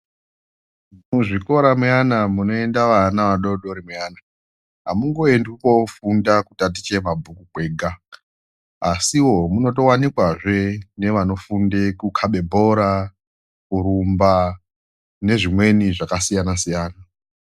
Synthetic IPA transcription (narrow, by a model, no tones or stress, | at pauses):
muʐiko̞ɾamuanamuno̞e̞ndaʋanaʋaɗo̞ɗoɾimjaːna | ɦa̰muŋɡo̞endwuko̞fundakutat̬it͡ʃe̞mabʱukukwe̞ːɡʱa | asiwo̞muno̞to̞wanikwaʐe̞ne̞ʋano̞fundekukʰaɓe̞bʱo̞ɾa | kuɾumba | ne̞ʐimwe̞niʐakasijanasijaːna